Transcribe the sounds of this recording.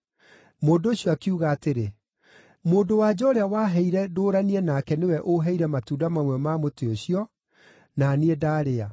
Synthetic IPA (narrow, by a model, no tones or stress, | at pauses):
moːndoːɕjɔakiuɣaːteɾe | moːndowaːd͡ʑɔɾeawaɦɛiɾɛdoːɾaniɛnakɛnewɛʔoɦɛiɾɛmatuːdamamwɛɔmaːmoteoɕiɔ | naniedaːɾea